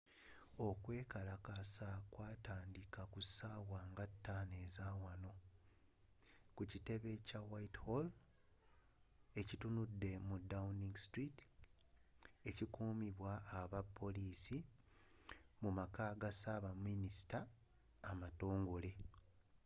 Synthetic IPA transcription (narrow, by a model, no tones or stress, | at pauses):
o̞kwe̞ːkalakasakwaːtaːndikakusaːwaːŋɡatːaːne̞ːzaːwano̞ | kucite̞βe̞cawaithol | e̞citunudːe̞mudauniŋɡstɾit | e̞cikuːmiβwaːβapʰːo̞liːsi | mumakaːɡasaːβamːinisi̥taː | mato̞ːŋɡo̞le̞